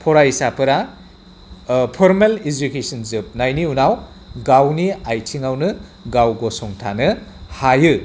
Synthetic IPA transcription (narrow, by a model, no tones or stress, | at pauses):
pʰɔɾaisapʰɐɾa | pʰɔɾmelid͡ʒukesɐnzɯp̚najniunaw | ɡawniajtʰiŋawnɯɡawɡɔsɔŋtʰanɯhajɯ